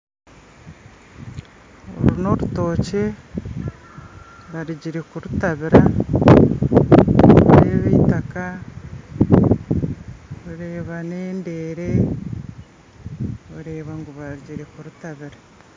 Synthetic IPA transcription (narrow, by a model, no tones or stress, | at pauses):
o̰ɾuno̞ɾuto̞ːce̞ | βaɾiɟiɾekuɾutaβiɾa | ɾḛβḭːtaka | βuɾe̞ːβane̞ːnde̞ːɾe | βuɾe̞ːβaŋɡuβaɾiɟiɾekuɾutaβiɾa